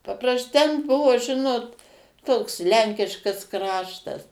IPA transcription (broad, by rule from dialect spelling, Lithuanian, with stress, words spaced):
pɐˈprɐs tʲɛn ˈbʊʋoː ˈʒʲɪnoːt ˈtoːks ˈlʲɛŋʲkʲɪʃkɐs ˈkrɑːʃtɐs